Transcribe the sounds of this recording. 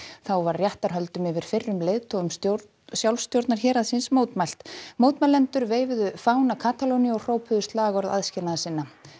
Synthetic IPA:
θawvaɾrːjaht̪aɾ̥ɦœlt̪ʏmɪvɪɾ̥fɪrːʏmlejðt̪ʰɔɣʏmsjo | sjawlst̪jowɾt̪naɾ̥çɛːɾaðsɪnsmoːwt̪majl̥t̪moːwt̪majlːɛnt̪ʏɾveːjvɪðʏfaːwnakʰaːt̪ʰalowniɔr̥oːwpʰʏðʏst̪laːɣɔɾða̰ðscɪnaðasɪnːa

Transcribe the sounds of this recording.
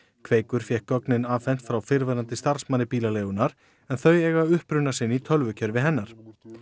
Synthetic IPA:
kʰveːjkʏɾ̥fjɛhkɔknɪnaːvfɛn̥t̪fɾawfɪɾvaɾant̪ɪst̪aɾ̥smanɪpiːlaleːjɣʏnaɾ̥ | ɛnθœɥjɛːɣaʏhpɾʏnːasɪnːit̪ʰœlvʏcʰœɾvɪɦɛnːaɾ̥

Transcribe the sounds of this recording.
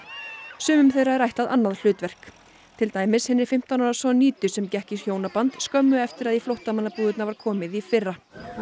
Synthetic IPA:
sʏːmʏmθejraɾajht̪aðʔa̰nːaðl̥ʏːt̪vɛr̥k | t̪ʰɪlt̪aːjmɪshɪnːɪɾ̥fɪm̥t̪anɔɾasɔniːt̪ʏsɛmcɛhcɪshjoːwnapant̪skœmːʏɛft̪ɪɾaðiflowht̪amanːapuːðʏt̪navaɾ̥kʰɔːmɪðifɪrːa

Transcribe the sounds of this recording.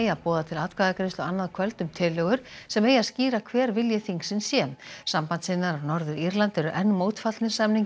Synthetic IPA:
japɔːðat̪ʰɪlat̪kaːðakɾɪst̪ɔɣanːaðkʰvœlt̪ʏmt̪ʰɪlːœɣʏɾ̥sɛmeːjasciːɾakʰvɛːɾvɪljɛθiŋksɪnsjɛːmsampant̪sɪnːaɾaɾnɔɾðʏɾiɾlant̪ɛɾʏʔɛnːmoːwt̪fat̪nɪ̥samniŋ

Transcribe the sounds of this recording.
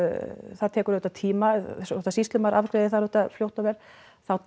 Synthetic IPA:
θaðt̪ʰɛːkʏɾløɥt̪at̪ʰiːmast̪asist̪ʏmaɾʔavkɾejðɪθaɾœht̪aflowht̪avɛɾ̥ | θaw̪

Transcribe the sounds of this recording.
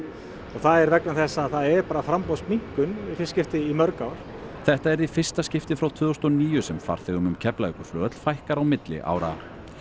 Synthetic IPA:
ɔɣθaðɛɾvɛknamθɛsːaːðθaðɛɾpaːɾafɾampaspmiŋ̥kʏnifɪscɪft̪ɪimœɾkawɾ̥θɛht̪aɛɾifɪr̥st̪ascɪft̪ɪfɾawt̪ʰvʏːðɔst̪ɔniːjʏsɛmfa̰ɾ̥θɪɣʏmʏmcʰɛplaɪkʏ̥flœːt̪l̥fajhkaɾawmɪt̪lɪ̰ʔa̰ːwɾa̰

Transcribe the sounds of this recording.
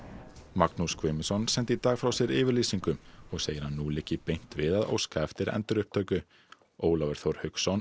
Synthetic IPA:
maknuskʰvɪːmɪsɔnsɛnt̪ɪiːt̪aːɣfɾawsjɛɾɪːvɪɾliːsiŋkʏmɔɣseːjɪɾ̥hanːuːlɪcːɪpejn̥t̪vɪðaðo̰wskaɛft̪ɪɾɛ̰nt̪ɪɾʏhp̚t̪ʰœːɥkʏ | oːwlavɛɾ̥θowɾ̥hʏksɔn

